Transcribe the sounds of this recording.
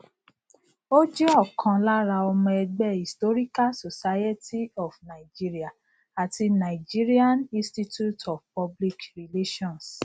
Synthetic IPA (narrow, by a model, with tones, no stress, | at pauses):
o˦d͡ʒe˦ɔ˦˨kʰã˧la˦ɾa˧ɔ˧mɔ̃˧ɛ˧ɡ͡bɛ˦˨i˨sto˦ɾi˦ka˦so˨sa˦je˦tʰi˦ɔ˨fna˨i˨d͡ʒi˦ɾi˦a˨ | a˨ti˧na˨i˨d͡ʒi˦ɾi˦a˦nĩ˦sti˦tu˦tɔ˨fpɔ˦bli˦kɾi˨le˦ʃɔ̃˦ns